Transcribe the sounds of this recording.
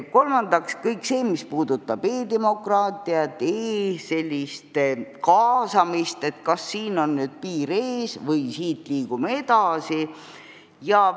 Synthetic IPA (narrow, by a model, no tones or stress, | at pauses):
ko̞lmɑnd̪ɑkskɤjkse̞ːmispuːd̪ut̪ːˑɑb̥e̞ːd̪e̞mo̞krɑːt̪ˑiɑt̪ːˑeːse̞lʲːist̪kɑːsɑmist̪e̞t̪kɑsːiːno̞nːyːd̪̥̚piːɾeːsvɤjsiːt̪liːɡ̥umeed̪̥ɑsi | jɑ